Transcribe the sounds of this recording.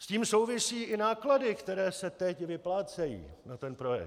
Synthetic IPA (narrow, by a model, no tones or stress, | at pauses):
sciːmso̞wvɪsiːʔɪnaːkladɪkt̪ɛɾɛːsɛt̪ɛcvɪplaːt͡sɛjḭːnat̪ɛnpɾo̞jɛ̰